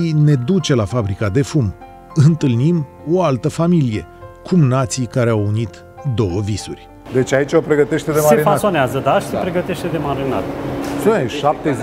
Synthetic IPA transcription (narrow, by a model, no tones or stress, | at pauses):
ine̞d̪ut͡ʃe̞lafabɾikad̪e̞fum | ɨnt̪ɨlnim | oalt̪əfamilije̞kʰumnat̪sikaɾe̞awunit̪ | d̪o̞wəvisurʲ | d̪e̞t͡ʃʲait͡ʃopɾe̞ɡət̪e̞ʃt̪ed̪emaseɾifasoneazəd̪aʃi̥sepɾe̞ɡət̪eʃt̪e̞d̪e̞maɾina̰t̪səʃap̚t̪e